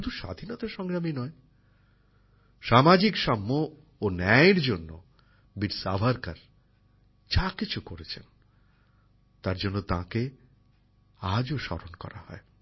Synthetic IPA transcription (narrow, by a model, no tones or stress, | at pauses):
ud̪uʃa̰d̪ʱinɔt̪aʃɔŋɡɾaminɔe | ʃamad͡ʑikʃamːoː | nɛeɾd͡ʑonːo | biɾsa̰bʱaɾkaɾ | t͡ɕakit͡ɕʰukoɾet͡ɕʰen | t̪aɾd͡ʑonːot̪ãke | ad͡ʑoʃɔ̰ɾonkɔ̰ɾa̰hɔ̰e